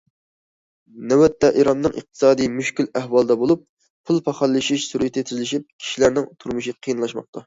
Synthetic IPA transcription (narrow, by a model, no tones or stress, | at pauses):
nɛwɛt̪ːɛʔiɾɑnnɨŋʔə̰q̚t̪ʰɨ̥sɑːd̪ɨjmyʃkʲylæhwɑlˠd̪ɑbolˠup̚ | pʰulˠpʰɑχɑlˠːɨʃiʃsuɾit̪ʰɪt̪ʰyzlɪʃip̚kʲʰi̥ʃilæɾnɪŋt̪ʰuɾmuʃiqʰijɨnlˠɑʃmɑ̰q̚t̪ʰɑ